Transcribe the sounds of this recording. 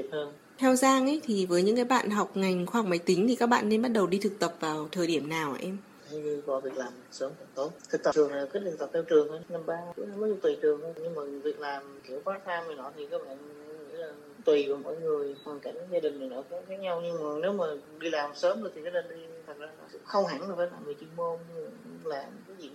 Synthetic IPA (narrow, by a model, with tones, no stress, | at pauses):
i˨˩p̚həː˧n | t̪ʰɛ˧wzaː˧ŋʔə˨˦jt̪ʰi˨˩vəː˨˦jɲɨ̰˧˥ŋkaː˨˦jɓa̰ː˧˨nɦa˨˩wk͡p̚ŋa˨˩jŋ̟xwaː˧hk͡p̚ma˨˦jt̪ï˨˦ŋ̟t̪ʰi˨˩kaː˦˥k̚ɓa̰ː˧˨nːe˧nɓa˦˥t̚ɗə˨˩wɗi˧t̪ʰɨ˨˩k̚t̪ə˨˩p̚vaː˨˩wt̪ʰəː˨˩jɗi˧˩əmnaː˨˩wʔa̰ː˨˧˦ʔɛ˧m˧ | ɲɨ˧kɔ˨˦vi˨˩ək̚laː˨˩m˨˩səː˨˦m˨˩t̪o˨˦t̪ʰɨ˨˩k̚t̪ə˨˩ɨ˨˩əŋ˨˩ki˦˥t̚ɗ̪ɨ˨˩t̪ə˨˩p̪̚ʰɛ˧wt͡ɕɨ˨˩əŋʔə˨˧˦na˧mɓaː˧ṵ˧˥˨mə˦˥zu˧˩t̪wi˨˩t͡ɕɨ˨˩əŋhə˧˩ɲɨ˧ŋmaː˨˩˨vi˨˩ək̚laː˨˩mki˨˦əwkaː˦˥t̪ʰaː˧mhəː˨˩nɔ˨˦t̪ʰi˨˩kaː˦˥k̚ɓa̰ː˧˨n˧˦ḭ˧˥laː˨˩˧t̪wi˨˩vəː˨˦mɔ̰˧˥˦jŋɨ˨˩əjhaː˨˩jka˧˩ɲɨ̰˧˥ŋzaː˧ɗï˨˩ŋ̟na˨˩jnɔ˨˦kɔ˧˦xaː˦˥k̚ɲa˧wɲɨ˧ŋmaː˨˩ne˨˦wmaː˨˩ɗi˧laː˨˩msəː˨˦mzo˧˩t̪i˨˩aː˨˦˥ɗə˨˩nɗi˧t̪ʰə˨˩t̚zaː˧˩˨kʊ̰˧˥ŋ͡mxə˧wŋ͡mɦa˧˥ŋlaː˨˩faː˨˦jlaː˨˩mɨ˨˩t͡ɕi˧ŋmo˧m˧˨˩ŋ͡mlaː˨˩˨aː˨˦zi˨˩